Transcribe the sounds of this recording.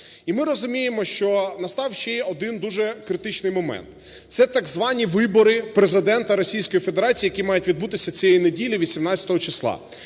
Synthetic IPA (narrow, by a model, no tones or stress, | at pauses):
imɪɾɔzʊmʲijemɔʃt͡ʃɔnɐst̪ɑwʃt͡ʃɛjɔd̪ɪnd̪uʒɛkɾɪt̪ɪt͡ʃnɪjmɔmɛ̰nt̪ | t̪sɛt̪ɐɡzʋɑnʲiʋɪbɔɾɪpɾezɪd̪ɛnt̪ɐɾɔsʲijsʲkɔjifed̪eɾɑt͡sʲiːjɐkʲimɑjʊtʲʋʲid̪̚but̪ɪsʲɐt͡sʲijɛjinedʲilʲiʋʲisʲimnatʲt͡sʲɐ̥t̪ɔɦɔt͡ʃɪslˠɑ̰